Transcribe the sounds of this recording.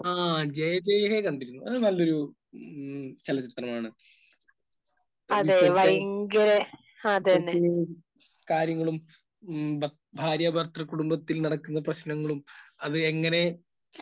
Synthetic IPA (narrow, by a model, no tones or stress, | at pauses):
aːd͡ʑejɐd͡ʑejɐɦekɐɳɖiɾunːuɐðɨnɐlːo̞ɾu | t͡ɕɐlɐt͡ɕit̪rɐmaːɳɨ | ɐðeʋɐjŋɡɐɾe | ad̪enː | kaːɾjɐŋːɐɭum | b | bʱaːɾjɐbʱɐrt̪rɐkːuɽumbɐt̪ːilnɐɽɐkːunːɐprɐɕnɐŋːɐɭumɐðɨeŋːɐne̞